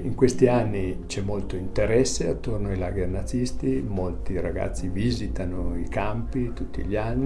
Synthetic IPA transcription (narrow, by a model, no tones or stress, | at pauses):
iŋkwest̪ianːit͡ʃɛmːolt̪oint̪eɾɛsːeat̪ːornoajla̰ːɡernad̪zist̪imolt̪iɾaɡa̰t̪sːiviːzit̪anoikampit̪ut̪ːḭʎanːi